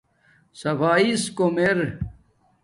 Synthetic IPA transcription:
sɐfaːiskomeɾ

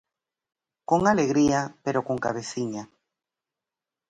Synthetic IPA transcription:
koŋaleɣɾiapeɾokoŋka̰β̞eθiɲa

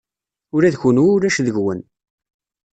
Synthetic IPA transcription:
ʊɾæðçunuʊɾæʃðəʝwən

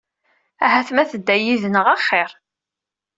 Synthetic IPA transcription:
æ̰ɦæθmæθəd̪ːæjiðnəʁɑχːɪɾˤ

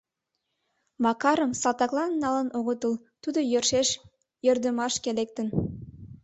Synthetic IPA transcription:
mɑkɑɾəmsɑt̪ɑklˠɑnːɑlənʔoɣət̪əl | t̪ud̪ojørʃeʃ | jørd̪əmɑʃkelek̚t̪ə̆n

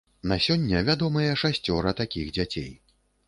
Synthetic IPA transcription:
nasʲɔnʲːɐvʲad̪ɔmɐjɐʂasʲt͡sʲɔɾɐt̪akʲiɣd͡zʲat͡sʲḛj

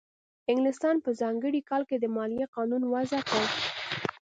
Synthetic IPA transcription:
ɪŋɡlɪst̪ɑnpəzɑŋɡəɽikɑlked̪əmɑlijeqɑnunwazakaɽ

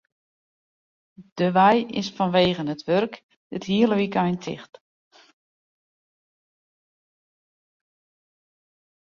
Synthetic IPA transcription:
d̥əʋɛjɪsfɔnʋeːɣənətʋørk | dɪthiələʋikajntʰɪ̰xt

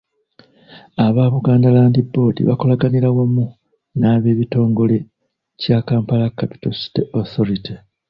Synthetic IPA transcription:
aβaβuɡaːndalaːndibːo̞ːdḭβako̞laɡaniɾawamu | naːβe̞ːβito̞ːŋɡo̞le̞ | caːkaːmpalakːapi̥tosi̥teoθo̞ɾite

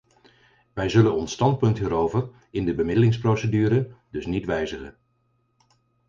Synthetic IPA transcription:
ʋɛjzɵlənɔnstɑnt̚pɵntɦiːɾowvəɹ | ɪndəbəmɪdəlɪŋsprowsədyːɾədɵsnitʋɛjzəχə̰n

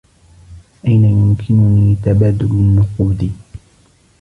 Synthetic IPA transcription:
ʔajnajʊmkʰɪnʊniːt̪abaːd̪ʊlɪnːʊquːd̪i

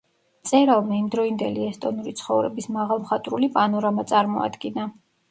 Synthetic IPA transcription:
t̪sʼɛɾalˠmaimd̪ɾɔind̪ɛliɛst̪ʼɔnuɾit̪sʰχɔvɾɛbismaʁalˠmχat̪ʼɾulipʼanɔɾamat̪sʼaɾmɔ̰a̰d̪ɡina

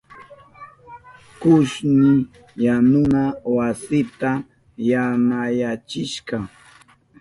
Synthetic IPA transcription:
kʊʃnɪ | janʊnawasɪt̪a | jamajat͡ʃɪʃkɑ

